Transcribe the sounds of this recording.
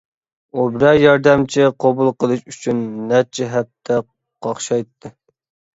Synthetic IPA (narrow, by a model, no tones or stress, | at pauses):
ubɪɾɛjɑɾd̪ɛmt͡ʃʰɪqʰobulˠqəlˠɨʃyt͡ʃʰynːɛt͡ʃʰiɦɛp̚t̪ʰɛ | qʰɑχʃɑjt̪ʰːɨ